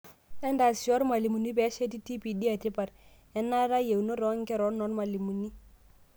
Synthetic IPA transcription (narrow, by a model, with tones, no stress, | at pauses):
ɛ˦nda˨sɔ˦ɾma˨li˨mu˨ni˦bɛ˨˦ʃe˦ti˦ti˦pi˨di˦a˨ti˦pa˨ɾ | ɛ˦nːa˦ɾa˦je˨wno˦ɾɔ˦ŋ˦kɛ˦ɾɔ˨˦nɔ˦nma˨li˨mu˨ni˦